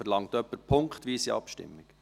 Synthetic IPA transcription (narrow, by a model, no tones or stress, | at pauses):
əɾlɑŋt̪œpːəɾpʰʊŋkχt̪ʋiːsiɑ̰pʃtɪ̰mːɪɡ̥